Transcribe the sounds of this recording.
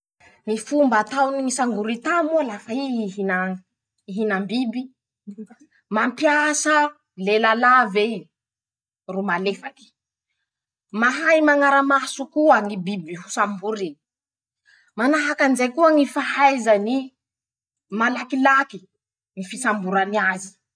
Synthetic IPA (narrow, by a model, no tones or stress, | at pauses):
nifumbat̪awniŋisaŋɡuɾit̪amualafaiiɦina | iɦinambibi | mampjasə | lelalave | rumalefaki̥ | maɦajmaŋaɾamasukuaŋibibiɦusambuɾi | manaɦakanizajkuəŋifahajzani | malakilaki | ŋifisambuɾaniazi̥